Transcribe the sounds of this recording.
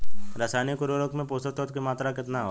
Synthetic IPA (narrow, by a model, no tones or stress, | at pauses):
ɾɐsaːnikʊɾoɾokmẽpoːsət̪ot̪kemaːt̪ɾakɪt̪naɦo